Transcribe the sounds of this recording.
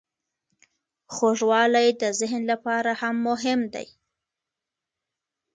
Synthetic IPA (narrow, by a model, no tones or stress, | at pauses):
xoʐwɑlajd̪əzɪɦnlapɑɾahamːʊɦɪmd̪a̰j